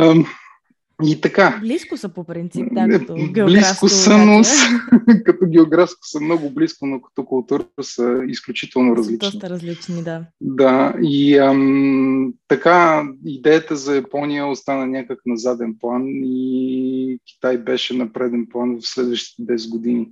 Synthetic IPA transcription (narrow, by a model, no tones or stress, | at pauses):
it̪ɐka | ɾ | bliskʊsənoskɐt̪ɔɡʲɛoɡɾafskʊ̥sɐmnɔɡʊbliskʊnokɐ̥t̪ɔkʊlˠt̪uɾəsəisklʲut͡ʃit̪ɛlˠnʊɾɐzlit͡ʃni | d̪aiə | t̪ɐkaid̪ɛjət̪əzɐjɐpɔnijəost̪anənʲakəknɐzad̪ɛnplˠanii | kʲi̥t̪ajbɛʃɛnɐpɾɛd̪ɛnplˠanvɐfslɛd̪vəʃt̪i̥t̪ɛd̪ɛsɡʊd̪ini